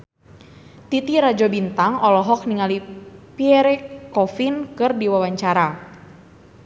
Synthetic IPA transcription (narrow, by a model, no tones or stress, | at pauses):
t̪it̪iɾad͡ʒɔbint̪aŋɔlɔɦɔk̚niŋalipiɛɾɛkɔfinkɨrdiwawaɲt͡ʃaɾa